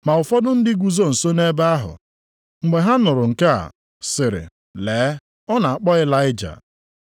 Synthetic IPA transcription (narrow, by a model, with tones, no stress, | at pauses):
ma˨ʊ˨fɔ˦dʊ˦n̩˦dɪ˦ɡʷu˨zo˦n̩˨so˦ne˦ba˦a˦ɦʊ̰˨ | ŋ͡m̩˨ɡ͡be˨ɦa˦nʊ˨ɾʊ˨ŋ̩˨ka˦a̰˨ | sɪ˨ɾɪ̰˨ | leː˨˦ | ɔ˦na˨a˨k͡pɔ˦ɪ˦la˦ɪ˦d͡ʒa̰˨